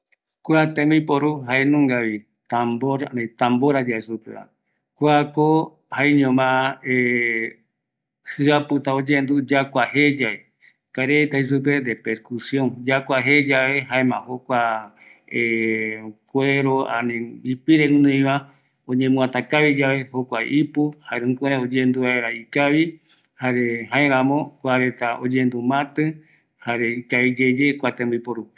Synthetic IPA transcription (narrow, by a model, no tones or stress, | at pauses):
kʷeat̪ẽmĩpoɾuɦaenũŋɡaβi | t̪ãmboɾanĩt̪ãmboɾad͡ʒaesupḛa̰ | kʷeako | haeɲõmãe | hɨapɨt̪aod͡ʒẽnd̪ud͡ʒakʷaɦed͡ʒae | kaɾet̪ais̬up̬eɾepeɾkusjoŋd͡ʒakʷaɦed͡ʒaβeɦaemãhokʷa | e | kʷeɾoã̰nĩipiɾẽnɨ̃j̃βa | õɲẽmũãt̪akaβid͡ʒaβe̞hokʷaʔipuhaeɾɨ̃kʷuɾeod͡ʒẽnd̪uβaeɾaikaβi | haɾeɦãeɾãmõkʷaɾe̞t̪aʔod͡ʒẽnd̪umãt̪ɨ | haɾe̞ikaβid͡ʒe̞d͡ʒekʷat̪ẽmbɨipoɾu